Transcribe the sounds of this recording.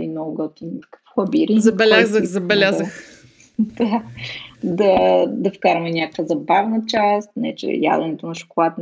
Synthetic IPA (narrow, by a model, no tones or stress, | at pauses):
inɔɡʊɡɔt̪in̥kə̥fxɐbiɾizɐbɛlʲazəzɐbɛlʲaəx | d̪̥a | d̪ɐd̪ɐfkaɾɐmɛɲʲakəvəzɐbavnət͡ʃast̪nɛt͡ʃɛ̰ja̰d̪ɛnɛt̪onɐʃʊ̥kolˠat̪